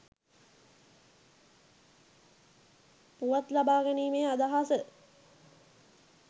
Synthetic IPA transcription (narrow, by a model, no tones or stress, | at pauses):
puʋat̪labaːɡəniːmeːad̪aɦasə